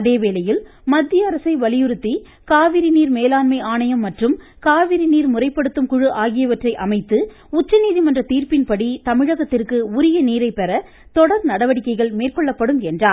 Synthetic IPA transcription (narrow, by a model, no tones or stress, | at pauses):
ɐðeːʋeːlɐjɪl | mɐd̪ːɪjɐɐɾɐsɐɪʋɐlɪjɯɾɯt̪ːi | kaːʋɪɾiniːɾmeːlaːnmɐɪaːnɐjɐmːɐʈrɯm | kaːʋɪɾiniːɾmʊrɐɪpːɐɽɯt̪ːɯmkʊɻɯʔaːɣɪjɐʋɐʈrɐɪʔɐmɐɪt̪ːɯ | ʊt͡ʃːɐniːðimɐndrɐt̪iːrpɪnpɐɽit̪ɐmɪɻɐɣɐt̪ːɪrkɯʊɾɪjɐneːɾɐɪpɛɾɐ | t̪ɔɽɐɾnɐɽɐʋɐɽɪkːɐɪɣɐɭmeːrkɔɭːɐpːɐɽɯmɛndraː